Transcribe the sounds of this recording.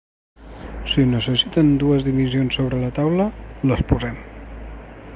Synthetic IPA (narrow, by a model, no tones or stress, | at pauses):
sinəsəsit̪ənd̪uəzðiβizionsoβɾələt̪awlələspuzɛm